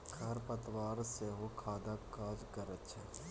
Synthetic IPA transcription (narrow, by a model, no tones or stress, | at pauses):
kʰɐɾpət̪ʋaːɾseɦokʰaːd̪akaːd͡ʒkəɾətːʃʰaː